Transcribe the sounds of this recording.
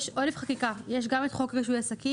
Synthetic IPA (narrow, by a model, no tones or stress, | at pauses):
ʃʔolefχakikajeʃ̬ɡamet̪χokʁiʃ̬ujasaki